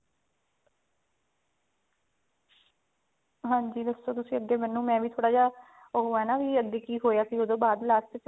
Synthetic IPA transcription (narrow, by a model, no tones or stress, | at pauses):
ɦãːɲd͡ʒiːd̪əsːoːt̪ʊsĩːəɡːeːmɛnːũːmɛ̃ːʋiːt̪ʰoːɽaːd͡ʒaː | oɦoɛːnaːʋiːəɡːeːkiːɦoːjaːsiːoːd̪õːbaːd̪laːt͡ʃtɪt͡ʃ